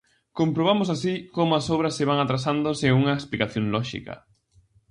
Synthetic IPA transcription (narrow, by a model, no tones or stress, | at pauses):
kompɾoβ̞amʊsasikomʊɐsowβɾɐsːeβaŋat̪ɾasand̪ʊseuŋɐesplikaθjoŋlɔʃḭkɐ̰